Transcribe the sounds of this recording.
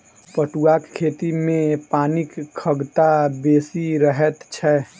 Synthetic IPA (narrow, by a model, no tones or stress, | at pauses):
pəʈuaːkkʰːeːt̪imẽpaːnɪkʰːəɡt̪abeːsiɾəɦət̪t͡ʃʰɛ